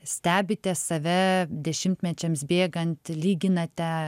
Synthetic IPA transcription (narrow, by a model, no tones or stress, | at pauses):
sʲt̪ʲæːbʲɪt̪ʲɛsɐʋʲɛd̪ʲɛʃʲɪmʲt̪ʲmʲɛt͡ʃʲɛmsbʲeːɡɐnʲt̪ʲlʲiːɡʲɪnɐt̪ʲɛ